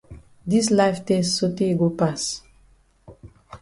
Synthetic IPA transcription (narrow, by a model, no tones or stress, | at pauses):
dislaɪftɛstsoteɡopas